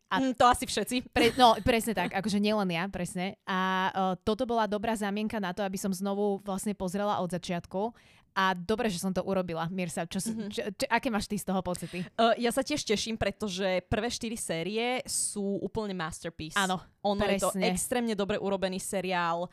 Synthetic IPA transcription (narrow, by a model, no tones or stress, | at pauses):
ʔat̪ɔasifʃɛt̪t͡siɾɛnɔpɾɛsɲɛt̪akɡakɔʒɛɲɪɛlɛnjapɾɛsɲɛʔaːt̪ɔt̪ɔbɔlad̪ɔbɾaːzamɪɛŋkanat̪ɔabisɔmznɔʋuʋlasɲɛpɔzɾɛlaʔɔd̪zat͡ʃɪat̪ku | ad̪ɔbɾɛːʒɛsɔmt̪ɔʔuɾɔbilamɪɛɾsat͡ʃɔst͡ʃt͡ʃʔakɛːmaːʃt̪ist̪ɔɦɔpɔtt͡sit̪ijasacɪɛʃcɛʃimpɾɛt̪ɔʒɛpr̩ʋɛːʃt̪iɾisɛːɾiɛsuːʔuːpl̩ɲɛmast̪ɛɾpiːsaːnɔɔnpɔjɾɛst̪ɔɲɛɛkst̪ɾɛːmɲɛd̪ɔbɾɛʔuɾɔbɛniːsɛɾiaːl